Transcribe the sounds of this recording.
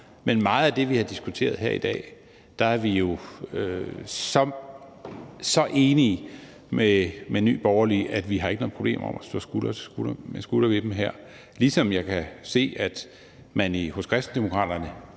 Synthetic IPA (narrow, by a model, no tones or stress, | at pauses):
menmɑ̈ːð̩ˠæd̥e̝ʋihɑ̈d̥isɡ̥ut͡sʰe̝̰ːɐð̞ˠɦeɐ̰id̥ɛ̰ː | d̥ɑ̈æɐʋijo̝øsɒ̽m | sɒ̽ʔe̝ːni | memeny̰ːb̥ɒʊɐliʔæd̥ʋiɦɑ̈eɡənɔ̽ð̩ˠpʰʁob̥e̝̰ːmɐɒ̽mæsd̥ɔ̰ːsɡ̥ulɐɡ̥u̥ɐmesɡ̥ulɐʋe̝d̥m̩ɦeɐ̰ | lisɒ̽mjɑ̈ɪkʰæse̝̰ːæd̥ | mænihɔ̽skʰʁɛsd̥n̩d̥emo̝kʰʁɑ̰̈ːd̥ɐnə